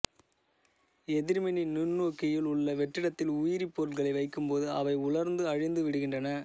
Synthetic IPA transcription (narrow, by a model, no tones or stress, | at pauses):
ɛðɪɾmɪnɪnɪnːoːkːɪjɪlʊɭːɐʋɛʈːɪɽɐt̪ːɪlʊjɪɾipːoːɾɯlɣɐɭɐɪʋɐɪkːɯmpoːðɯɐʋɐɪʊɭɐɾnd̪ɯɐɻɪnd̪ɯʋɪɽɯɣɪndrɐnɐ